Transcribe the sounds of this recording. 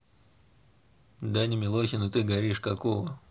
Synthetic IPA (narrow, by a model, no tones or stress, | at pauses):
d̪anʲɪmʲɪlˠoxʲɪnʊt̪ɨɡɐɾʲiʂkɐkovə